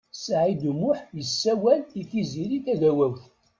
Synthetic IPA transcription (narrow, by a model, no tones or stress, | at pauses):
sʕid̪umʊħjəsːæwæliθiziɾiθæðæwæwθ